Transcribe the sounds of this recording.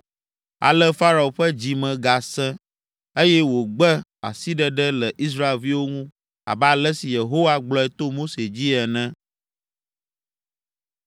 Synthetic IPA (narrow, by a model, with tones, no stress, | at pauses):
a̰˨lɛ˦fa˦ɾa˨o˨ɸɛ˦d͡ʑi˨mɛ̃˨ɡa˨sɛ̃˦ | e˦jɛ˦wo˨ɡ͡bɛ˦a̰˨si˦ɖɛ˦ɖɛ˦lə˨ʔi˦s̬ɾa˦e˨lvi˦wo˦ŋũ˦ | a̰˨ba˨lɛ˦si˨je˨ɦo˦wa˦ɡ͡blɔ˨˦ɛ˨t̪o˦mo˦se˨d͡ʑi˦ɛ˨nɛ̃˦